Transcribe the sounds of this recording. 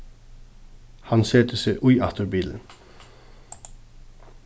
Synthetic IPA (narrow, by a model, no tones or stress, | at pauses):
hɑnseːt̪əseʔʊʏʔɑt̪ʰəɾbiːlə